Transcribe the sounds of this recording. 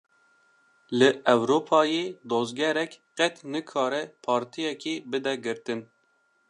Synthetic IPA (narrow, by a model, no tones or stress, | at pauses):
lɨʔɛwɾoːpʰɑːjeːd̪ozɡɛɾɛkqɛt̪nɨkʰɑːɾɛpʰɑːɾt̪ʰijɛkiːbɨd̪ɛɡɨɾt̪ɨn